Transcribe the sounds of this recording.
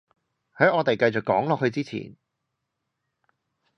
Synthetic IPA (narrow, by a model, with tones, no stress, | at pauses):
hɐː˨˥ŋɔː˨˧t̪e˨jkɐ˧jt͡sʊ˨kːɔː˨˥ŋlɔː˨k̚hɵ˧t͡siː˥t͡sʰḭː˨˩n